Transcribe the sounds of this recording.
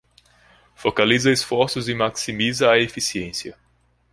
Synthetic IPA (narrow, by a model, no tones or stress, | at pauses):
fokalizɐesfɔɾsʊzɪmaksimizɐːefisiẽsjɐ